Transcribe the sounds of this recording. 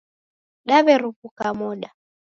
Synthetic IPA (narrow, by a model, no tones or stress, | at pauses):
ɗaβɛɾupukamɔɗa